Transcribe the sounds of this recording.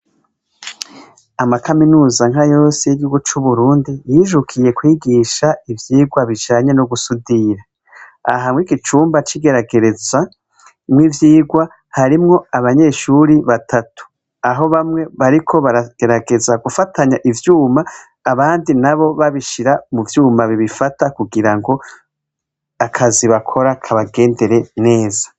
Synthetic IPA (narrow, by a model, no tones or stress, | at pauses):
amakaminuːzaŋ̥ɦajo̞ːsijiɟihuɡut͡ʃuβuɾuːndijiːʒukʰije̞kwiːɡiːʃaivjiːɡwaβid͡ʒaːɲenoɡusudiɾa | aɦamwiɡit͡ʃuːmbat͡ʃiɡe̞ɾaɡe̞ɾe̞za | mŋivjiːɡwa | haɾimŋo̞aβaɲe̞ːʃuɾiβatʰatu̥ | aɦo̞βamŋe̞βaɾikʰoβaɾaɡ̥e̞ɾaɡe̞zaɡufatʰaɲaʔivjuːmaː | βaːndinaβo̞βaβiʃiɾamuvjuːmaβiβifatakuɡiɾaŋɡo̞ | akʰaziβakʰo̞ɾakʰaβaɡe̞ːnde̞ɾe̞ne̞ːzḁ